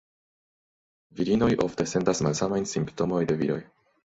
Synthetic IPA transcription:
viɾino̞jʔo̞̰fte̞se̞ntasmalsamajnsimpto̞mo̞jde̞viɾo̞j

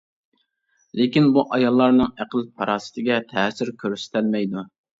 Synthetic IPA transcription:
lekʲinbuʔɑjɑlˠːɑɾnɨŋæqəlpʰɑɾɑːsɪ̥t̪ʰɪɡʲɛt̪ʰɛːsɪɾkʲʰøɾsɪ̥t̪ʰælmɛjd̪u

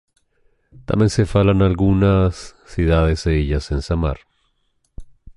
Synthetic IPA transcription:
t̪a̰mbjense̞falanalɣunasː | juðaðe̞seeʝasensama̰ɾ

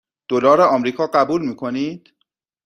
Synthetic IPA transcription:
d̪̥olɒːɾeɒːmɾiːkʰɒːɢæbuːlmiːkʰo̞niːd̪̥

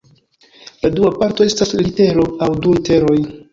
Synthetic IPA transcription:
laduapaɾto̞e̞staslite̞ɾo̞awdulite̞ɾo̞j

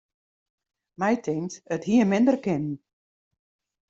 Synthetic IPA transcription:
mɛjtʰɪŋtəthiəmɪndərkɪnn̩

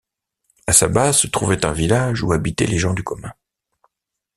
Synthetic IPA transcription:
asabasət̪χuvɛt̪ɛ̃vilaʒuabit̪ɛ̰leʒɑ̃d̪ykɔmɛ̃

